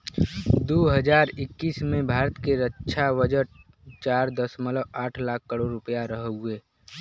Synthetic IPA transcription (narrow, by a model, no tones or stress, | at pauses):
d̪oːɦəd͡ʒaːɾɪkːiːsmẽbʱaːɾət̪keɾətːʃʰawəd͡ʒəʈ | t͡ʃaːɾd̪əsmələaːʈʰlaːkʰːəɾoɾːʊpəjaɾəɦueː